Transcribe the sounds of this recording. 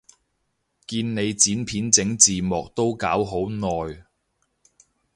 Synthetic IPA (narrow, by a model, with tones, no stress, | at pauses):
kiː˧nne˨˧jt͡siː˨˥npʰiː˨˥nt͡sɪ˨˥ŋt͡siː˨mɔː˨k̚t̪o˥wkaː˨˥wɦo˨˥wnɔː˨j